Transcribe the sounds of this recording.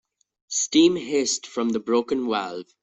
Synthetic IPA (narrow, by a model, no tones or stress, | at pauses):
stĩːmɦɪstfɹʌ̃mðəbɹoʊkə̃nwæ̰lv̥